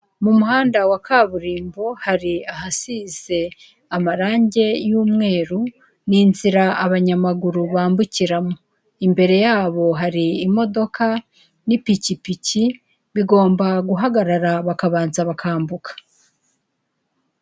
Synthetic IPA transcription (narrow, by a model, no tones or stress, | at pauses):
mumuɦaːndawakʰaːβuɾiːmbo̞haɾiaɦasiz̥e̞ | amaɾaːɲɟe̞juːmŋe̞ːɾu | ninziɾaaβaɲamaɡuɾuβaːmbuciɾamo | imbe̞ɾe̞jaːβo̞ɦaɾiːmo̞do̞kʰa | nipicipici | βiɡo̞ːmbaɡuɦaɡaɾaɾaβakaβaːnzaβakʰaːmbukʰḁ